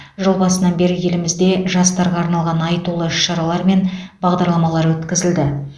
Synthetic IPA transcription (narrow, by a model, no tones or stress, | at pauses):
ʒəlˠbɑsənɑnbe̞ɾɪje̞lɪmɪzd̪e̞ʒɑst̪ɑɾʁɑːɾnɑlˠʁɑnɑjt̪ulˠəɪʃʃɑɾɑlˠɑɾme̞nbɑʁd̪ɑɾlˠɑmɑlˠɑɾwɵt̪kʲɪzɪld̪ɪ